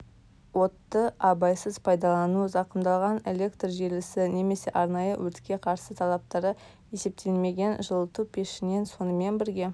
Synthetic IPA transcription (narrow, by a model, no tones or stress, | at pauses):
wo̞t̪ːəɑbɑjsəzpʰɑjd̪ɑlˠɑnuzɑqəmd̪ɑlˠʁɑne̞le̞kt̪rʒe̞ɾlɪsɪne̞me̞se̞ʔɑɾnɑjəwʔɵt̪kʲe̞qʰɑɾsət̪ʰɑlˠɑp̚t̪ɑɾə | je̞se̞p̚t̪ʰe̞lme̞ɡʲe̞nʒəlˠət̪upʲʰe̞ʃɪne̞nso̞nəme̞nbɪɾɡʲe̞